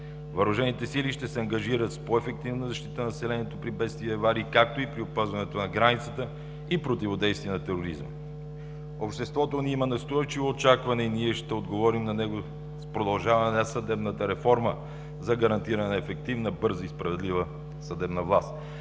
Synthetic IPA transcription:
vɐɾuʒɛnit̪ɛsiliʃt̪ɛsɛɐŋɡɐʒiɾət̪spoɛfɛk̚t̪ivnɐzɐʃt̪i̥t̪ənɐsɛlɛniɛt̪opɾibɛt̪st̪viɛvaɾikak̚t̪oipɾiopazvɐnɛt̪onɐɡɾanit̪sət̪ə | ipɾot̪ivod̪ɛjst̪viɛnɐt̪ɛɾoɾizmə̰ | opʃt̪ɛst̪vɔt̪oniimɐnɐst̪ɔjt͡ʃivoːt͡ʃakvɐnɛiniɛʃt̪ɛod̪ɡovɔɾimnɐnɛɡo | spɾod̪ɐlˠʒavɐnnəsɐd̪ɛbnət̪əɾɛfɔɾmə | zɐɡɐɾɐnt̪iɾɐnɛnɐɛfɛk̚t̪ivnəbɤɾzəispɾɐvɛd̪livə | sɐd̪ɛbnəvlˠast̪

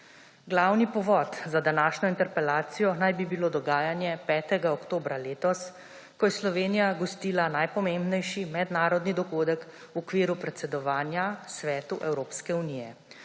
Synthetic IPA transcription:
ɡlawnipɔʋɔt̪zad̪anaːʃnɔint̪ɛɾpɛlaːt̪sijɔnajbibiloːd̪ɔɡaːjanjɛpɛːt̪ɛɡaɔkt̪oːbɾaleːt̪ɔs | kɔjɛslɔʋeːnijaɡɔst̪iːlanajpɔmembnɛjʃimɛd̪naːɾɔd̪nid̪ɔɡoːd̪ək | wɔkʋiːɾupɾɛt̪sɛd̪ɔʋaːnjasʋɛːt̪uʔɛwɾoːpskɛuniːjɛ

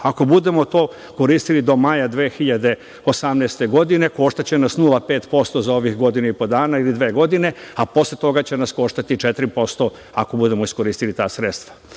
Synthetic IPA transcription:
ako̞bud̪e̞mo̞t̪oː | ko̞ɾiːst̪ilid̪o̞majad̪ʋeːxiʎad̪e̞ | o̞samneːst̪e̞ɡo̞d̪ine̞ko̞ːʃt̪at͡ɕenasnulˠape̞ːt̪po̞st̪o̞zao̞ʋixɡo̞d̪ineipo̞d̪aːnailid̪ʋe̞ːɡo̞d̪ine̞apo̞slet̪o̞ɡat͡ɕe̞nasko̞ʃt̪at̪it͡ʃet̪ɾipo̞st̪o̞ | ako̞bud̪e̞mo̞isko̞ɾiːst̪ilit̪aːsɾet̪st̪ʋḁ

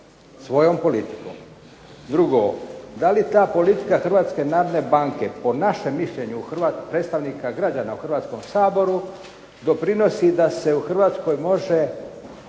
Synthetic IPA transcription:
sʋo̞jo̞mpo̞lit̪i̥ko̰m | d̪ɾuɡo̰d̪alit̪aːpo̞lit̪i̥kaxr̩ʋaːt̪ske̞naːɾod̪ne̞baŋke̞po̞naʃe̞mːiʃʎe̞ɲuːxr̩ʋat̪pɾet̪st̪aʋnikaɡɾad͡ʑanauxr̩ʋaːt̪sko̞msaːbo̞ɾu | d̪o̞pɾino̞sid̪ase̞uxr̩ʋaːt̪sko̞jmo̞ʒe

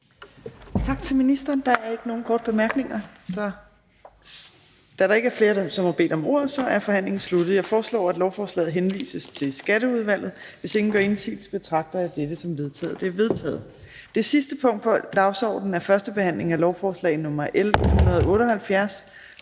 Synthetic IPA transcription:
t͡sʰɑ̈ɡ̥̚t͡sʰe̝lminisd̥ɐːnd̥ɑ̈æɐe̝ɡ̥əno̝ːn̩kʰɒːd̥əb̥e̝mæɐɡ̥ne̝ŋɐsɒ̽ | d̥æɾɑ̈e̝ɡ̥əæɐfle̝ːɐsɒ̽mhɑ̈b̥e̝̰ːd̥ɒ̽mo̝̰ɐ̰ð̩ˠsɒ̽ʔæɐfɒ̽hæn̰le̝ŋn̩slud̥ð̩ˠjɑ̈ɪfɒːslɒ̰ːæd̥lɒʊfɒːslɛ̰ːð̩ˠɦenʋḭːsəst͡sʰe̝lsɡ̥æɾ̥əuð̞ˠʋæl̰ð̩ˠʋe̝se̝ŋn̩ɡ̥ɶɐe̝nsḭl̥sb̥e̝t͡sʰʁɑ̈ɡ̥̚d̥ɐæd̥ed̥əsɒ̽mʋe̝ð̞ˠt͡sʰɛ̰ːð̩ˠd̥e̝ɐʋe̝ð̞ˠt͡sʰɛ̰ːð̩ˠ | d̥e̝sisd̥əpʰɔ̽ŋ̰d̥pʰɒ̽d̥ɑ̈ʊsɒ̰ːd̥n̩æɐfɶɐsd̥əb̥e̝hæn̰le̝ŋælɒʊfɒːslɛ̰ɪnɔ̽mɐʔelhhunɐð̞ˠɔ̽ːɾəɒ̽hælfjæɐs

